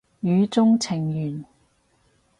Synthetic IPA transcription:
jyː˨˧t͡sʊ˥ŋt͡sʰɪ˨˩ŋjyː˨˩n

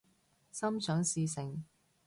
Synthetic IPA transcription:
sɐ˥mt͡ʃʰœː˨˥ŋsiː˧sɪ˨ŋ

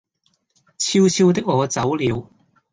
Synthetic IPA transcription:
t͡sʰiː˧wt͡sʰiː˧wt̪ɪ˥k̚ŋɔː˨˧t͡sɐ˨˥wliː˨˧w

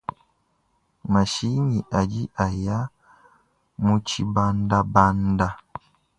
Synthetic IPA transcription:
ma˨ʃi˦ni˨ʔa˨d͡ʒi˦ʔa˨ja˦ | mu˦t͡ʃi˦ba˦nda˦ba˦nda˦

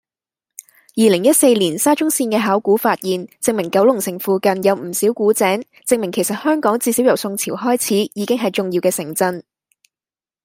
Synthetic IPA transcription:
jiː˨lɪ˨˩ŋjɐ˥t̚se˧jliː˨˩nsaː˥t͡ʃʊ˥ŋsiː˧nkɛː˧ɦaː˨˥wkuː˨˥faː˧t̚jiː˨˩nt͡sɪ˧ŋ̚mɪ˨˩ŋkɐ˨˥wlʊ˨˩ŋsɪ˨˩ŋfuː˨kɐ˨njɐ˨˧wm̩˨˩siː˨˥wkuː˨˥t͡sɛː˨˥ŋ | t͡sɪ˧ŋ̚mɪ˨˩ŋkʰe˨˩jsɐ˨t̚hœː˥ŋkɔː˨˥ŋt͡siː˧siː˨˥wjɐ˨˩wsʊ˧ŋt͡sʰiː˨˩wɦɔː˥jt͡sʰiː˨˥jiː˨˧kɪ˥ŋɦɐ˨jt͡sʊ˨ŋji˧wkɛː˧sɪ˨˩ŋt͡sɐ˧n

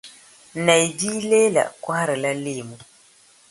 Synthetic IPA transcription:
na˨jd͡ʒi˦le˦la̰˨ka˦ha˦ɾi˨la˦le˦˨mu˦

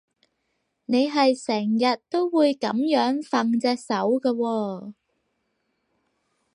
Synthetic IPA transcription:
ne˨˧jɦɐ˨jsɛː˨˩ŋjɐ˨t̚t̪o˥wwuː˨˧jkɐ˨˥mjœː˨˥ŋfɐ˨ŋt͡sɛː˧k̚sɐ˨˥wkɐː˧wɔː˧

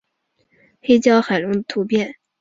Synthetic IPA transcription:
xe˥ɪt͡ɕjɑ˥ʊxa˨˩ɪlʊ˧˥ŋd̪ə˧t̪ʰu˧˥pjɛ˥˩n

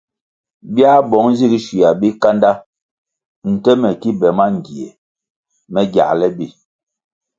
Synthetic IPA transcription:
bja˦bɔ˨˦ŋzi˦˨ɡi˦ʃi˨ja˨bi˦ka˦nda˦ | n̩˨tɛ˦mɛ˨ki˦bɛ˨ma˦ŋ̩˨ɡi˨ɛ̰˨ | mɛ˦ɡja̰˨ʔlɛ˦bi˦˨

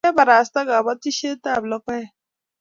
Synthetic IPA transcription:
ɛ˦ba˨ɾa˨sta˦ɡa˨ba˦ti˦ʃe˦ta˦˨blɔ˦kɔ˦ɛ˨

